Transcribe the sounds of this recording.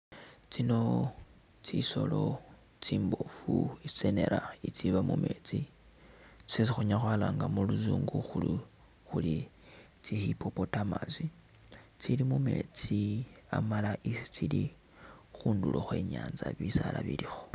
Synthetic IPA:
t͡sino̞ | t͡siso̞lo̞ | t͡siːmbofuit͡sene̞̰ɾait͡siβamume̞ːt͡si | t͡si̥sesixuɲaxwaːlaŋɡamuluzuːŋɡuxuli | xuli | t͡sixipʰo̞po̞tamazi | t͡silimume̞t͡sia̰malaʔisi̥t͡sili | xuːndulʔoxwe̞ːɲaːnzaβisalaβilixo̥

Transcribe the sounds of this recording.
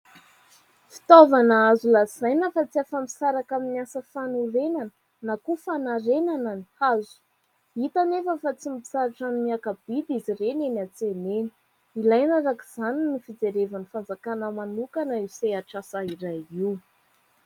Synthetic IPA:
fi̥t̪ovanaazulaz̥ajnəfat͡siafami̥saɾakaminiasəfanuɾenanə̥ | nakufanaɾenanani̥azu̥ | it̪anefəfat͡simipi̥saɾaʈ͡ʂanmiakab̥id̪izirenenat͡seneni̥ | ilajnaɾakiz̥aninifid͡zeɾevanifand͡zakanəmanukanəiseaʈ͡ʂasaiɾajiw

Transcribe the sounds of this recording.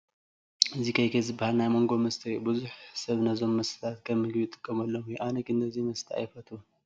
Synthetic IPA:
ɨzikʰɐjkʰɐjzɨbːahalnajmo̞ŋɡo̞mɐst̪ʰɐbɨzuħsɐβnɐzo̞mːɐsɨ̥t̪ʰat̪kʰɐmɨɡbit̪ʼɨ̥kʼːɐmɐlːo̞mjɛʔanɐkɨnt̪ʰɐzimɐst̪ʰia̰jfɐt̪ʰu

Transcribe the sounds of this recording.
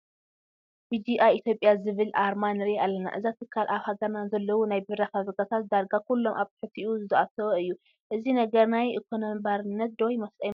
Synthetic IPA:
bid͡ʒ̪iʔajʔit̪ʰjo̞pʼjazɨβɨlʔaɾmanɨɾialːɐna̰ʔɨzat̪ʰɨkʰːalʔaβhaɡɐɾnazɐlːɐwunajbɨɾaxazɐɡat̪ʰat̪̚d̪aɾɡakulːo̞mʔaβt̪ħɨt̪ʰiʔuzɨzɐat̪ʰɐβɐɨjːu | ʔɨzinɐɡɐɾnajʔɨkʰonobaɾɨnːɐt̪̚d̪ojmɐst̪ʼɐj

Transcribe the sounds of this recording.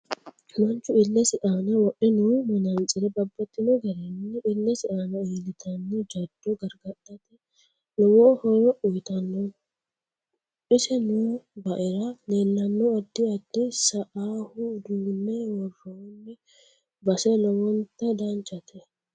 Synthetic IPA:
mɐnt͡ʃːʊɪlːɛsɪʔaːnɐwɔʔːɪnumɐnɐnt͡sʼːɪɾɛbɐbːɐt̪ːɪnɔɡɐɾɛnːɛʔɪlːɛsɪᶑaːnɐeːlɪt̪ʰɐnːɛd͡ʒɐd̪̥ːɔɡɐɾɡɐtːɐt̪ɛ | lɔwɔhɔɾɔʔʊjt̪ɐnːɔ | ʔɪsɛnubɐʔɪɾɐleːlːɐnːɔɐd̪ːɪɐd̪ːɪsɐʔaːhʊd̪uːmːɛwɔrːoːnːɛ | bɐsɛlɔwɔnt̪ːɐd̪ɐnt͡ʃʼɐt̪ʰɛ

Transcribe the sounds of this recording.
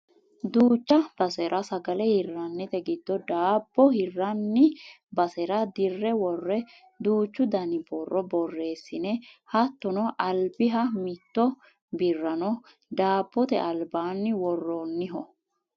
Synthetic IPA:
d̪uːt͡ʃːɐb̥ɐsɛɾʔɐsɐɡɐlɛhɪrːɐnːɛt̪ɛɡɪd̪ːɔd̪aːbːɔhɪrːɐnːɪ | bɐsɛɾɐd̪ɪrːɛwɔrːɛ | d̪uːt͡ʃːʊd̪ɐnɪbɔrːɔbɔrːe̞ːsːɪnɛhɐt̪ːɔnɔʔɐlbɪɦɐmɪt̪ːɔ | bɪrːɐnɔ | d̪aːb̥ːɔt̪ɛʔɐlbaːnːɪwɔrːonːɪɦɔ

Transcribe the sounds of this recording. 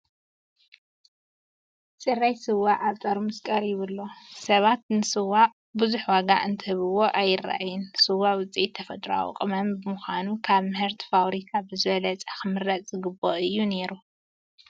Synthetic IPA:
sʼɨrːajsɨwːaʔaβt̪ʼaɾumɨskʼɐɾjɪβɨlːo̞sɐβat̪̚nɨsɨwa | buzuħwaɡaʔɨnt̪ʰɨhɨβɨwo̞ʔajːɪrːa̰ʔajɪnsɨwːawɨt͡sʼiʔit̪ʰːɐfɐt̪ʼɾa̰wṵqʼɨmɐmbɨmɨxʷanukʰaβmɨhɨɾt̪ʰfawɾikʰabɨzɨβɐlɐt͡sʼaxɨmɨɾːɐt͡sʼzɨɡɨbːoʔɨjːune̞ɾu

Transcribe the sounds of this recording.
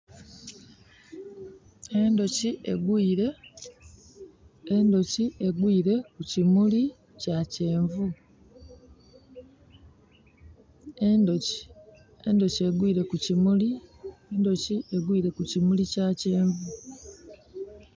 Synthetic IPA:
e̞ndo̞ciʔḛɡwiːɾe | endo̞ciʔe̞ɡwiːɾe̞kucimuli | cace̞ːɱvu | endoci̥ | e̞̰ndo̞cie̞ɡwiːɾe̞kucimuliendo̞cie̞ɡwiːɾe̞kucimulicace̞ːɱvu

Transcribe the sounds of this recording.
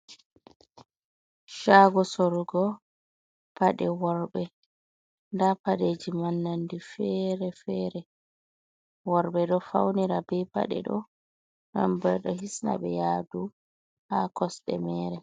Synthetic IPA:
ʃaːɡɔsoɾuɡɔ | paɗɛwɔɾɓɛ | ndapaɗed͡ʒimanːandifɛɾɛfɛːɾɛ | wɔɾɓɛɗɔfa̰wniɾabɛjpa̰ɗɛ̰ɗɔ | nambɛjɗɔhisna̰ɓɛjaːdu | hakɔsɗɛ̰mɛːɾɛ

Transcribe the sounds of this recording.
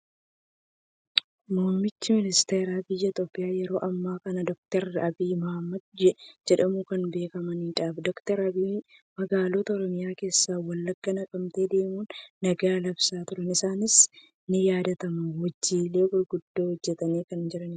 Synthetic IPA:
moːmɪt͡ʃːɪmɪnɪst̪eːɾaːbɪjːɐt̪oːpʼːɪjaːjɛɾo̞ːʔɐmːaːkɐnɐd̪ɔk̚t̪ɛɾɐbiːmɔhɐmːɐd̪̚d͡ʒɛd͡ʒɛᶑɐmukɐnbe̞ːkɐmɐniːᶑaːfd̪ɔkt̪ɛɾɐbiː | mɐɡaːloːt̪ɐɔɾɔmɪjaːke̞ːsːaːwɐlːɐɡːɐnɐkʼɐmt̪eːd̪e̞ːmuːnːɐɡaːlɐbsaːt̪ʊɾɐnɪsaːnɪs | nɪjaːd̪ɐt̪ɐmɐwɐd͡ʒːiːle̞ːbʊɾɡʊd̪ːoːhɔd͡ʒːɛt̪ɐniːkɐnd͡ʒɛᶑɐnɪ

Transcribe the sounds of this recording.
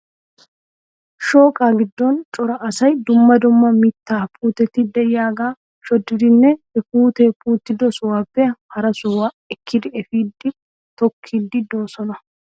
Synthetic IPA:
ʃo̞ːkʼaːɡɪd̪ːɔnt͡ʃʼɔɾɐʔɐsɐjd̪ʊmːɐd̪ʊmːɐmɪt̪ːaːpʰʼuːt̪ɛt̪ːɪd̪ɛjaːɡaː | ʃɔd̪ːɪd̪ɪnːɛɛpuːt̪ɛpʼuːt̪ːɪd̪ɔsʊwaːpːɛhɐɾɐsʊwa | ɛkʰːɪd̪ɪɛfiːd̪ːɪ | t̪ɔkʰːiːd̪ːɪd̪oːsɔnɐ

